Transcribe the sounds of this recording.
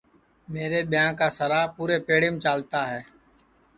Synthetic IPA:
meːɾebɪjãːkasəɾaːpuːɾepeːɽɪmt͡ʃaːlt̪aɦɛː

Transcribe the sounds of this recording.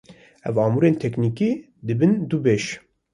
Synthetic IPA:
ɛvɑːmuːɾeːnt̪ʰɛkniːki | d̪ɨbɨnd̪ubeːʃ

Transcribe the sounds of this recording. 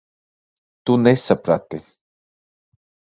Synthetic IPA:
t̪unesəpɾat̪e

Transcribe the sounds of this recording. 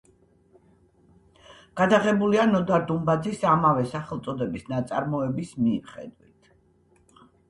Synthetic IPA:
ɡ̥ad̪aʁɛbulianɔd̪aɾd̪umbad̪zisamavɛsaχɛlˠt̪sʼɔd̪ɛbisnat̪sʼa̰ɾmɔɛbismimχɛ̰d̪wit̪ʰ

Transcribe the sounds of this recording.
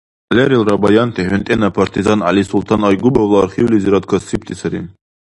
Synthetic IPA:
lʲɛɾilɾɑbɑjɑnt̪ʰɛhynt̪ʼɛnapʰaɾt̪ʰizɑnalisulˠt̪ʰɑnɑjɡubavlˠɑɾχiwliziɾat̪̚kʰɔsip̚t̪ʰisaɾḭn

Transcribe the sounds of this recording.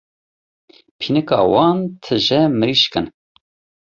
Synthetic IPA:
pʰinɨkɑ̰ːwɑːnt̪ʰɨʒɛmɨɾiʃkɨn

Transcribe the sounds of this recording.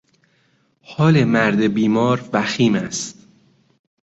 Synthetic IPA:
hɒːlemæɾd̪ebiːmɒːɾvæxiːmæst̪

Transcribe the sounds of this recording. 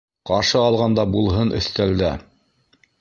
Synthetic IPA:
qɑɾʃɤɑlˠʁɑnd̪ɑbulˠɦɤnɵ̰̆θt̪æld̪æ

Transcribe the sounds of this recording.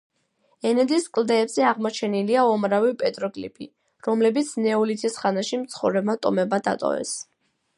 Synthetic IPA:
ɛnɛd̪iskʼld̪ɛːbz̥ɛaʁmɔt͡ʃʰɛniliaɔmɾavipʼɛt̪ʼɾɔkʼlḭpʰḭ | ɾɔmlɛbit̪sʰnɛɔlit̪ʰisχanaʃimt̪sʰχɔvɾɛb̚mat̪ʼɔmɛbad̪a̰t̪ʼɔ̰vɛ̰s

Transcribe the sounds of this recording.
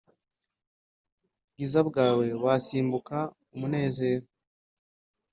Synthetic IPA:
bɡizabɡaːwe̞βasiːmbuka | umune̞ːze̞ːɾo

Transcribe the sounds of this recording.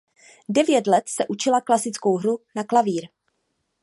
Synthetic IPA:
dɛvjɛt̪lɛt̪sɛʔut͡ʃɪlaklasɪt͡skowɦɾunaklaviːɾ

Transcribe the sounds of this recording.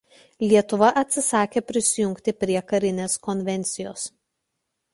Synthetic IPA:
lʲiɛt̪ʊʋɐʔɐt̪ʲsʲɪsɑːkʲeːpʲɾʲɪsʲɪjʊŋʲkt̪ʲɪpʲɾʲiɛkɐɾʲɪnʲeːskɔnʲʋʲɛnʲt̪sʲɪjoːs

